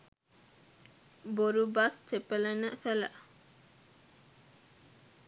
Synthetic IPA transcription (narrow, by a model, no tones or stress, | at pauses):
boɾubast̪ʰepələnəfələ̰